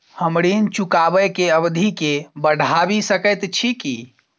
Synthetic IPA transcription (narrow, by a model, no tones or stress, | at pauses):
həmɾint͡ʃukabəkeəbd̪ʱikebəɽʱabisəkət̪t͡ʃʰikḭ